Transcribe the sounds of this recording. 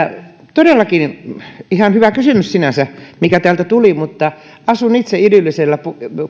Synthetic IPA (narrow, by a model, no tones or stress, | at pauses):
t̪odelːɑkinihɑnhyʋækysymyssinæsæmikæt̪æːlt̪æt̪ulimut̪ːɑ | ɑsunit̪seilylːiselːæpu